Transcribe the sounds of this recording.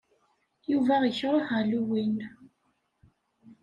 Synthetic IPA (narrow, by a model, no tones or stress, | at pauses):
juvæʁiçəɾˤhaluwin